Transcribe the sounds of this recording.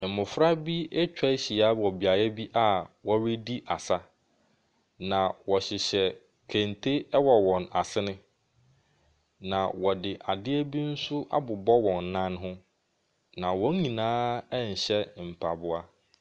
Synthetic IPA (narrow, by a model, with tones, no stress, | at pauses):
m̩˨mʊ̃˨fɾa˦bi˦e˦t͡ɕᶣa˦ɕi˨a˦˨ɔ˨bi˨a˨jɛ˦bi˦ʔa˦wɔ˦ɾe˦di˦ʔa˨sa˦ | nã˨wɔ˨ɕɪ˨ɕɛ˨ | kʰæ̃˨ntʰe˦ɛ˦wɔ˨wɔ̃˨na̰˨sɪ˦nɪ̃˦ | nã˨wɔ˨dɪ˨ʔa˨dɪ˦ɛ˦bi˦n̩˦sʊ˦ʔa̰˦bʊ˨bɔ˦wɔ̃˨n˨˦nã˦nɦʊ̃˦ | nã˨wɔ̃˦ɲĩ˨nãː˦ɛ˦ɲ̩˨ɕɛ˦m̩˨pʰa˨bʊ˦a˦